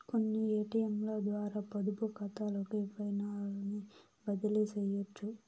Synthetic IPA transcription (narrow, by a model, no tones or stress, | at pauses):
konːieːʈijɐmloːd̪ʋaːɾaːpɐd̪upukɐt̪aːlɐkuepɐjnaːlɐni | bɐd̪ilisɛjɐt͡ʃːu